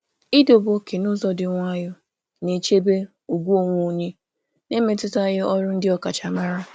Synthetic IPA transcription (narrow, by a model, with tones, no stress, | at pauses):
i˦do˨bo˦kʰe˨nʊ˦zɔ˨dɪ˨ŋʷ˦a˦jʊ˦ | ne˨t͡ʃe˦be˦ | u˨ɡʷu˦o˦ŋʷo˦˨ɲe˦ | ne˦me˦tʊ˦ta˦jɪ˦ɔ˦ɾʊ˦n̩˦dɪ˦ɔ˨ka˨t͡ʃa˨ma˦ɾa˦